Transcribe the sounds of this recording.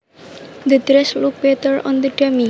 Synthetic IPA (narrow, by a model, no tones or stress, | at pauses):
d̪ədɾɛsluk̚bɛt̪əɾɔ̰̃nd̪əɖami